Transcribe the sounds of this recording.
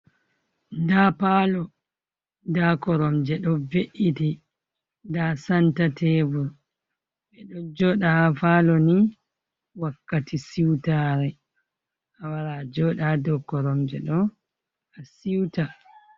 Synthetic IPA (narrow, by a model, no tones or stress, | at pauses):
dapaːlɔ | dakɔɾɔmd͡ʒɛɗɔveʔiti | ndasantatʰɛbuɾ | ɓɛɗɔd͡ʒɔɗahafaːlɔni | wakːatisiwtaːɾɛ | ʔawaɾad͡ʒɔːɗadɔkːɔɾɔmd͡ʒɛɗɔ | asiwta